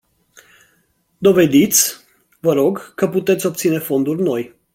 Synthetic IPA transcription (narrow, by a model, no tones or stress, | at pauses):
d̪o̞ve̞d̪it̪sʲ | vəɾo̞ɡkəput̪e̞t̪sʲo̞p̚t̪sine̞fo̞nd̪urʲno̞j